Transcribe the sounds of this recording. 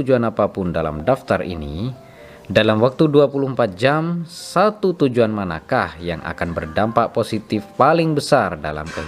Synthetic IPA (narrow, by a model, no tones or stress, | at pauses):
ud͡ʒuanapapʊndala̰mdaft̪arḭnḭ | dalamwak̚t̪uduapuluhəmpat̪̚d͡ʒamsat̪ut̪ud͡ʒuanmana̰kahja̰ŋʔa̰kanbərdampaʔposit̪ɪfpalɪŋbəsarda̰la̰mkəɦ